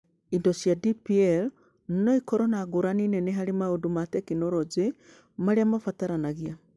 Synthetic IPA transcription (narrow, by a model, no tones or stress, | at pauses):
indɔsjadipiɛl | nnɔikɔɾɔnaɡoɾaninɛneɦaɾemaodumatɛkinɔɾɔd͡ʒe | maɾeamafataɾanaɣia